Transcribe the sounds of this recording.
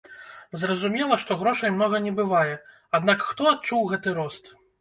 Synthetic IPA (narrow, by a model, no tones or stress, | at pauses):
zrɐzumʲɛlˠɐʂt̪ɔɣɾɔʂɐjmnɔɣɐnʲɛbɨvajɛ | ad̪nakxt̪ɔat̪̚t͡ʂuwɣɛt̪ɨɾɔst̪